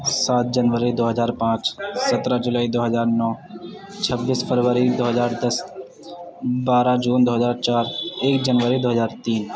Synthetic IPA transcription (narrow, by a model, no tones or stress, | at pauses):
saːt̪̚d͡ʒənʋəɾid̪oːɦəzaːɾpãːt͡ʃsət̪ɾãd͡ʒʊlaːid̪oːɦəzaːɾnɔː | t͡ʃʰəbːiːspʰəɾʋəɾid̪oːɦəzaːɾd̪əs | baːɾãd͡ʒuːnd̪oːɦəzaːɾt͡ʃaːɾeːkd͡ʒənʋəɾid̪oːɦəzaːɾt̪iːn